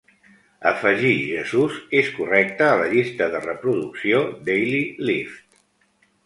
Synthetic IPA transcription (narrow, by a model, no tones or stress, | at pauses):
əfəʒiʒəzuzeskurɛk̚t̪əːləʎist̪əðərəpɾuðuksiod̪ejlilift̪